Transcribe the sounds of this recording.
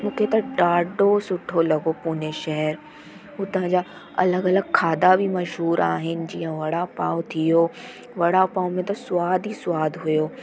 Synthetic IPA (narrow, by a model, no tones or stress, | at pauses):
mũːkʰet̪ɐɖaːɖosʊʈʰolɐɡopuːneʃɛɦɛɾ | ɦut̪ɐ̃ɦə̃ɲd͡ʑaː | ɐ̰ləɡɐləɡ̚kʰaːd̪abʱimɐʃɦuːɾaːɦɪnɪ̆d͡ʑiːə̃ʋɐɽapaːot̪ʰijo | ʋɐɽapaːmẽt̪ɐsʊʋaːd̪ʱisʊaːd̪ʱɦʊjoː